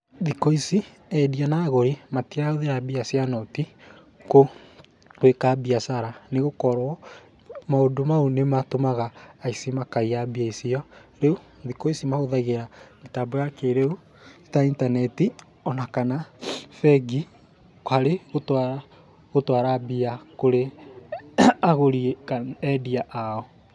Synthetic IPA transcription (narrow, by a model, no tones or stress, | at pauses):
ðikoisi | ɛdianaːɣoɾimatiɾaoðeɾabiasjanɔti | ko | wekabiasaɾaneɣokɔɾɔ | maodomaonematomaɣaːisimakaijabiaisiɔɾeu | nðikoisimaɣoðaɣeɾametabɔjakeɾeu | i̥taintanɛti | ɔnakanafɛɡi | kaɾeɣotwa | ɣotwaɾabiakoɾe | aɣoɾiekaɛdiaʔaɔ